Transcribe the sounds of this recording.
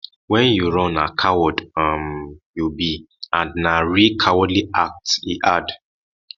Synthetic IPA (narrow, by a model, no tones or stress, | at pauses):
wɛ̃njuɹɔ̃nakʰawɔdamjubi | ãndnaɹikʰawɔdliʔak̚tḭʔad